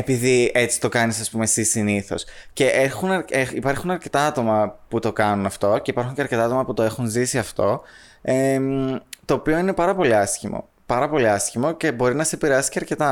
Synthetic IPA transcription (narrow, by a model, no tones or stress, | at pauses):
e̞piðie̞t͡si̥t̪o̞kɐnisɐspume̞sisiniθo̞̰sce̞ʔexunɐeipɐɾxunɐɾce̞t̪ɐɐt̪o̞mɐput̪o̞kɐnunɐft̪o̞ce̞ipɐɾxuɲceɐɾce̞t̪ɐɐt̪o̞mɐput̪o̞e̞xunzisiɐft̪o̞ | e | t̪o̞ːpio̞ine̞pɐɾɐpo̞liɐsçimo̰ | pɐɾɐpo̞liɐsçimo̞ce̞bo̞ɾinɐsepiɾeɐsi̥ceɐɾce̞t̪ɐ